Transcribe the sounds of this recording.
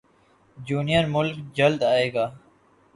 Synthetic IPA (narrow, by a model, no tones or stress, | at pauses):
d͡ʑuːnijəɾmʊlkd͡ʒɐld̪aːeːɡaː